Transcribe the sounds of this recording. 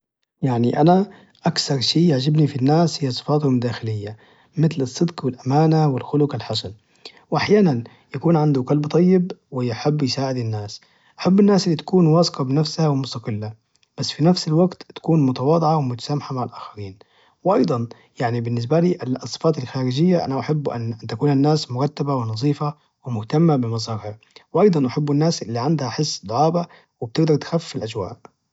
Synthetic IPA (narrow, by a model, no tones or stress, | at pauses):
jaʕniʔana | ʔakθɑɾˤʃiːjaʕd͡ʒabnifinːaːshɪjːasˤɨ̥fɑːt̪hʊmd̪aːxɪlɪjːa | mɪt̪lɨsˤːɨd̪qwɪlʔamaːnawɪlxʊlʊqɪlħasan | wʔaħjaːnan | jakuːnʕand̪ʊkalbt̪ˤɑjːɪbwɪjɪħɪbːjɪsaːʕɪd̪ɪnːaːs | ʔaħabːɪnːaːsɪlːit̪ḁkuːnwɑːsqɑbɪnafshawɪmʊst̪ɑqɪlːa | b̥asːfinafsɪlwaɡt̪t̪ḁkuːnmʊt̪ɑwɑːd̪ˤʕawɪmʊt̪ḁsaːmaħamaʕalʔaːxaɾiːn | wɪʔɑjd̪ˤɑn | jaʕnibɪnːɪs̬baliːʔalsˤːɨ̥faːt̪alxaːɾɪd͡ʒɪjːaʔa̰naʔaħɪbːʔa̰nːʔant̪akuːnanːaːsmʊɾˤɑt̪ːabawɪnɑzˤiːfa | wɪmʊht̪amːabɪmɑsˤɑɾha | wʔɑjd̪ˤɑnʔaħabːɪnːaːsʔɪlːiʕand̪haħɪsːd̪ˤʊʕɑːba | wɪb̚t̪ɪɡd̪ɑɾˤt̪xafːɪfɪlʔad͡ʒwa̰ːʔ